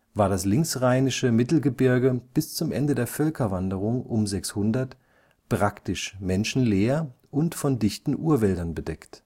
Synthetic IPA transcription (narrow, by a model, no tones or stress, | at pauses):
vaːɐdaslɪŋksʁaɪnɪʃəmɪtl̩ɡəbɪɐɡəb̥ɪst͡sʊmʔɛ̰ndədeːɐfœlkʰɐvandəʁ̞ʊŋʔʊmzɛkshʊndɐt | pʁ̥aktɪʃmɛnʃn̩leːɐʔʊntfɔndɪçtn̩ʔuːɐvɛldɐnbədɛkt